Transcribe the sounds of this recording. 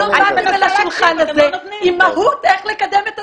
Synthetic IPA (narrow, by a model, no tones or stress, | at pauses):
aaelaʃulχanazeimaɦut̪eχlekad̪emet̪a